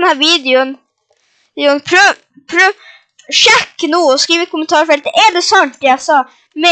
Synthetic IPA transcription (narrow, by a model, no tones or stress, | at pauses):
nhæːɾviːd̪ɪʊnː | d̪ɪʊnpʰɾ | pʰɾ | ʂɛkːnuːɔskɾiːʋɪt̪̚kʰʊmənt̪ʰɑːɾfɛlt̪ːəʔɛd̪ɛsɔnt̪̚d̪ɛjasɑː | mɛ